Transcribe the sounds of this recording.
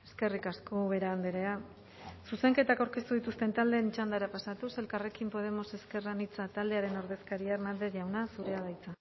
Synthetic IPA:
e̞ske̞rikasko̞βe̞ɾaːnd̪eɾe̞a | suse̞ŋke̞t̪akawɾke̞st̪uðit̪ust̪e̞nt̪ald̪e̞ːnt͡ʃand̪aɾapasat̪use̞lkare̞kimpo̞ðe̞mo̞se̞ske̞ranit͡sat̪ald̪e̞aɾe̞no̞ɾðe̞skaɾiaeɾmand̪e̞ʝawnasuɾe̞aðajt͡sa

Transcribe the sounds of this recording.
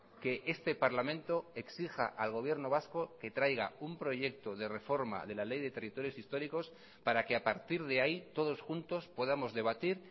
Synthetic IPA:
ke̞ʔe̞st̪e̞paɾlamẽnt̪o̞e̞ksixa̰ʔalɣo̞βje̞ɾno̞β̞asko̞ke̞t̪ɾajɣa̰umpɾo̞ʝe̞k̚t̪o̞ðe̞re̞fo̞ɾma̰ðe̞lale̞jðe̞t̪e̞rit̪o̞ɾjo̞sist̪o̞ɾiko̞s | paɾake̞apaɾt̪iɾðeait̪o̞ð̞o̞sxunt̪o̞spo̞ðamo̞zðe̞βat̪iɾ

